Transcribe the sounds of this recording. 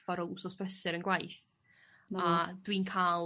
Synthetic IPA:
fɔɾɔsɔspəsɪɾənɡwajθ | ad̥wiːnkʰaːlˠ

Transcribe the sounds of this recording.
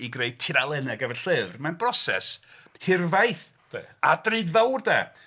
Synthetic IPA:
iɡreɨd̚tʰɪɾalˠɛnɛɡəvɛnɬɨvrmanbrɔsɛ̰s | hɪrvajθ | eadreɨdvawrdɛ̰

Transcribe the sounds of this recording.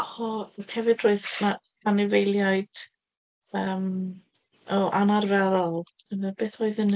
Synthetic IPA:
hɔkʰɛvɨdroːɨðmakʰanɪvejlˠjaɨd̥ | əːm | ɔʔanarvɛɾɔlˠəvɛbeːθoːɨðən

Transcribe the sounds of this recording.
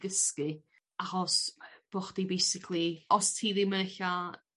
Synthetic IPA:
ɡəskɨ | aχɔsb̥oːχd̥ibejsɪkʰlˠiɔstʰiːðɪməɬa

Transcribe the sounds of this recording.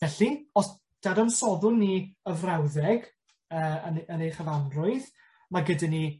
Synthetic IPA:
ɛɬiɔs | d̥adɔnsɔðʊniəvrawðɛɡ | əːnənejχəvanrʊɨð | maɡədani

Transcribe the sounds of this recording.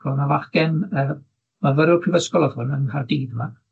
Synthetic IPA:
ɔnavaχɡ̥ɛnəː | mavəɾɪpʰrɪvəskɔlˠɔðʊnənkʰardiːdəma

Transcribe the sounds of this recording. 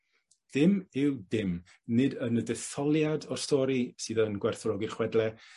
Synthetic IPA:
ð̥ɪmɪwdɪm | nɪdənədɛθɔlˠjadɔrstɔːɾisɨːðənɡwɛrθrɔɡirχwɛdlɛ

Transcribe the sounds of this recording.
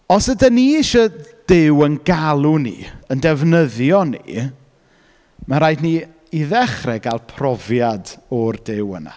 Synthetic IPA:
ɔsədaniɪʃɔd̥ɪwənɡalˠunḭəndɛvnəðjɔnḭ | maɾaːjdni | iðɛχrɛɡalˠpʰrɔvjadɔrdɪwə̰na̰

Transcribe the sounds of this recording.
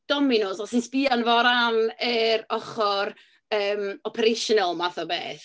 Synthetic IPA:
d̥ɔmɪnoːsɔsinspianvɔɾanəɾɔχɔr | əːmɔpʰɛɾeʃɔnɔlˠmaθɔbḛːθ

